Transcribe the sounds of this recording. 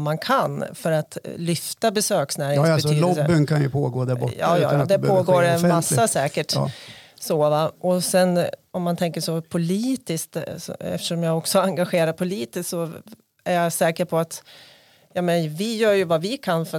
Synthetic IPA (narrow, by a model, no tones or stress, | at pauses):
mankʰanfœɾat̪lʏft̪abɛsøːksnæːɾɪŋsɛːlɔbənkʰanjɵpʰoːɡoːd̪æɾbɔ̰ɑ̰ːjɑ̰ːd̪ɛpʰoːɡoːɾmasːasɛːkəʈ | soːvaɔsɛnɔmːant̪ʰɛŋkəʂɔpʰʊliːt̪ɪskt̪sɔ̰ɛ̰ft̪ə̥ʂɔmjaːɡɔksɔaŋɡaɧeːɾapʰʊliːt̪ɪssɔ | æɾjasɛːkəɾpʰɔat̪ | jɑmɛnvɪjœːɾjɵvavɪkʰanfœ